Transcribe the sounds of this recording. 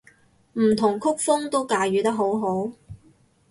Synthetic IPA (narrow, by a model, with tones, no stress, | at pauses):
m̩ː˨˩t̪ʰʊ˨˩ŋkʰʊ˥k̚fʊ˥ŋt̪o˥wkaː˨˧jyː˨˧t̪ɐ˥k̚ɦo˨˥wɦo˨˥w